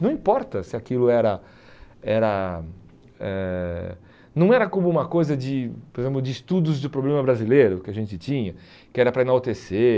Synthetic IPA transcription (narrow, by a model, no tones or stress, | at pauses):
nɐ̃w̃ĩpɔɾt̪ɐsɪakilʊɛɾɐ | ɛɾɐ | ɛ | nɐ̃w̃ɛɾɐkõmʊũmɐkojzɐd͡ʒɪpoɾezẽmplʊd͡ʒɪːst̪ud̪ʊzd̪ʊpɾoblẽmɐbɾazilejɾʊkɪɐʒẽnt͡ʃɪt͡ʃĩɲɐ | kɪɛɾɐpɾɐenawt̪ese